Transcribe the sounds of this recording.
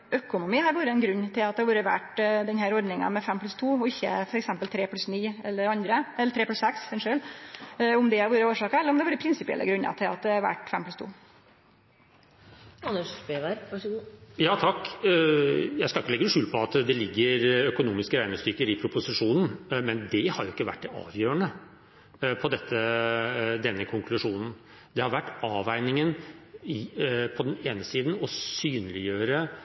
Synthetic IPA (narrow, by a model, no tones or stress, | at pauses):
œkʊnʊmiːhɑɾʋuːɾəɛnɡɾʉnːt̪ʰɪlɑt̪̚d̪ɛhɑʋuːɾəʋæ̰ʈd̪ɛnhæːɾɔɾɖ̪nɪŋɑ̰mɛfɛmːplʉst̪ʰuːɔɪçːə̰fɔɾɛksɛmpəlt̪ʰɾeːpʰlʉsniːɛlːəɾɑnd̪ɾəɛlːəʈʰɾeːplʉsɛksɛnʂøːl | ʊmd̪ɛhɑɾʋuːɾəoːʂɑːkəɾɛlːɾɔmd̪ɛʋɑːɾəpʰɾɪnsɪpɪɛ̰lʔə̰ɡɾʉnːɑ̰t̪ʰɪlɑt̪̚d̪ɛɑɾʋæ̰ʈːfɛ̰mplʉst̪ʰṵː | ɑnːəʂbeʋæɾʋɑʂɡjɑːt̪ʰɑkː | jæɪskɑlɪkːəlɛɡʂʉːlpʰɔɑt̪d̪ɛlɪɡːəɾœkʊnuːmɪskəɾæɪnəst̪ʏɾkəɾɪpʰɾʊpʊsɪʂuːnn̩mɛnd̪ɛhɑɾjʊɪkːəʋæ̰ʈːd̪ɛɑ̰ːʋjøːəɳə | pʰɔd̪ɛt̪ːə | d̪ɛnːəkʰʊŋkʰlʉʂuːnn̩ | d̪ɛhɑɾʋæʈːɑːʋæɪnɪŋənɪpʰɔd̪ɛneːnəsiːd̪n̩ɔsyːnlɪjøːɾə